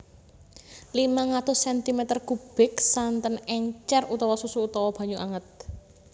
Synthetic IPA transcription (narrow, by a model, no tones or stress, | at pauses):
limaŋat̪ʊsːɛnt̪imɛt̪ərkub̥ɪksant̪ənɛɲt͡ʃɛrut̪ɔwɔsusuːt̪ɔwɔb̥a̤ɲuʔaŋət̪̚